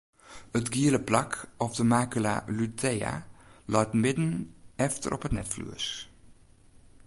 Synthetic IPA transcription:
ətɡiələplɑkʰɔfdəmaːkəla̰lytʰeja̰lɔjtmɪdənɛftə̰ɾʔɔ̰pətnɛtfly̰əs

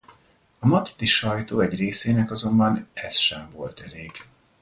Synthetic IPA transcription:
ɒmɒt̪t̪iʃɒjt̪oːɛɟreːseːnɛkɒzo̞mbɒnɛsʃɛɱvo̞lt̪ɛleːɡ̥

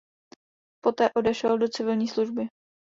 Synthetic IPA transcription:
po̞t̪ɛːʔo̞dɛʃɛldo̞t͡sɪvɪlɲiːsluʒbɪ

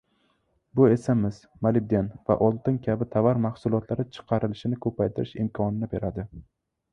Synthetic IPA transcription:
bʊe̞samɪz | malɪb̚d̪enva̰ʔɒlˠt̪ɪnkʲʰabɪt̪ʰavaɾmahsʊlˠɒt̪ʰlaɾɪt͡ʃʰɨ̥qʰɑɾɪlɪʃɪnɪkʰɵpʰajt̪ʰɪɾɪʃɪmkʰɒnɪnɪbe̞ɾad̪ɪ

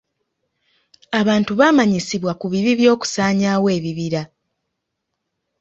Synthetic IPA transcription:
aβaːntuβaːmaɲisiβwakuβiβiβjo̞ːku̥saːɲaːwe̞ːβiβiɾa

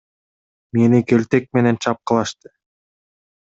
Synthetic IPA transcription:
me̞nike̞lt̪ek̚me̞ne̞nt͡ʃʰɑp̚qɑlˠɑʃt̪ɯ

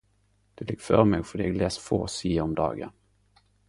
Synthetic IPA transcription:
d̪̥ɵlɪɡːfœːɾmɛɡfœɖ̪ɛɛɡlɛsfoːsiːaɔmd̪ɑ̰ːɡə̰n

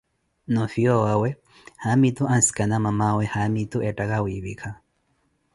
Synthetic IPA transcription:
nɔfiɔwawɛ | hamit̪uʔansi̥kanamamawɛhamit̪uʔɛʈakawiβḭkʰa

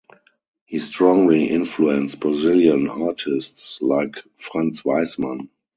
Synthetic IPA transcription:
hiːstɹɔ̃ŋliʔɪ̃nfluɛ̃nsb̥ɹazɪljə̃natʰɪstslaɪkfɹʁãnsvaɪsmãn

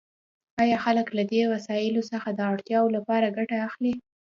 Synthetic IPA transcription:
ɑjɑxaləklad̪ewasɑjɪlosəxad̪əɑɽt̪jɑwolapɑɾaɡaʈaːxli

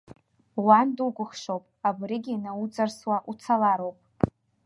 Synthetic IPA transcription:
wanduɡʷʊχʃowpʼabriɡʲiːnaud͡zʼarswaʔut͡sʰalaɾowpʼ

